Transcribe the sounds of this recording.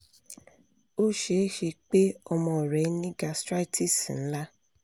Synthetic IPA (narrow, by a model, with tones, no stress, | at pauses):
o˦ʃe˦ʃe˧k͡pe˦ɔ˧mɔ̃˧˨ɾɛ˨˦nĩ˦ɡa˧stɾa˦i˦˨tʰi˦˨sĩ˨n̩˦la˦